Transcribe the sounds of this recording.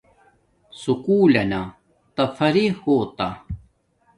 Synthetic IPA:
sukuːlena | t̪ɐfɐɾihhoːt̪a

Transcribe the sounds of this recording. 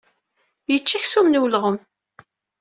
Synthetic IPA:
jət͡ʃːiçsumnuwlʁəm

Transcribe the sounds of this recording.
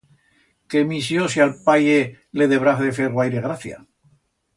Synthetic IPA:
kemisjosjalpaje | le̞ðe̞βɾaθðefeɣwajɾeɣ̞ɾaθja̰

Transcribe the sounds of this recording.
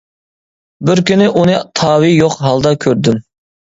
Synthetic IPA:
bɪɾkʲynɪʔunɨt̪ʰɑːwijoqɦɑlˠd̪ɑkʲʰøɾd̪ym

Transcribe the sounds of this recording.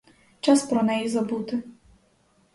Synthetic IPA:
t͡ʃaspɾɔnɛjizɐbut̪ɪ

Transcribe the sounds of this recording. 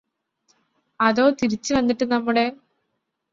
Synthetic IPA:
ɐðo̞ːt̪iɾit͡ɕːɨʋɐnːiʈːɨnɐmːuɽe̞

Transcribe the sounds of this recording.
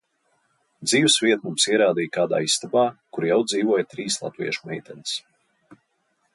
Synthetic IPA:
d̪ziːwsvʲiɛt̪mumsiɛɾaːd̪iːjkaːd̪a̰ːisst̪abaːkuɾjawd̪ziːvuɔjt̪ɾiːslˠa̰t̪vḭɛʃu̥mɛjt̪ɛns

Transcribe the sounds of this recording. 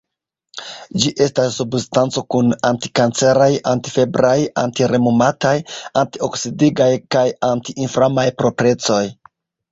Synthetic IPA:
d͡ʒiʔe̞stasːubstant͡so̞kunanti̥kant͡se̞ɾajanti̥fe̞bɾaja̰ntiɾe̞mumatajantio̞ksidiɡajkajantiinfɾamajpɾo̞pɾe̞t͡so̞j

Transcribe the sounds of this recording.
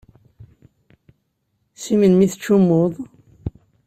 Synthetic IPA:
simənmiθət͡ʃːumːoðˤ

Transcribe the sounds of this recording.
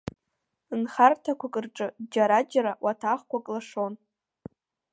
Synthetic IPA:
ɨnχartʰakʷʰakʼɨrʈ͡ʂʼɨd͡ʒaɾad͡ʒaɾawʔatʰaχkʷʰakʼlaʂon

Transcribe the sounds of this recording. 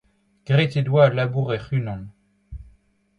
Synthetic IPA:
ɡ̥ʁet̪ed̪walabuʁɛχynɑ̃n

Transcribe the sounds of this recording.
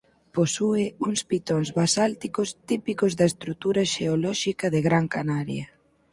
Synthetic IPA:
posuɪuŋspit̪oŋzβasalt̪ikʊst̪ipikʊzðɐest̪ɾut̪uɾɐʃeolɔʃikɐðɪɣɾaŋkanaɾjɐ

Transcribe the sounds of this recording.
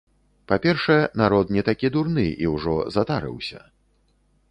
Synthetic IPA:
papʲɛrʂɐjɛnaɾɔt̪nʲɛt̪akʲid̪urnɨḭwʐɔzat̪aɾɨ̰wsʲɐ̰

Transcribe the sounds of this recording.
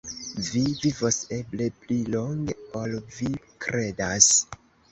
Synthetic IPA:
vivivose̞ble̞plilo̞ŋɡeolvi | kɾe̞das

